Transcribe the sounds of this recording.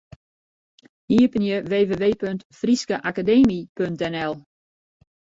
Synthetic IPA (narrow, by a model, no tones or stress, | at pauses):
hiəpənjəʋeːʋeːʋeːpøntfriskəʔakadeːmipøntɛnɛlˠ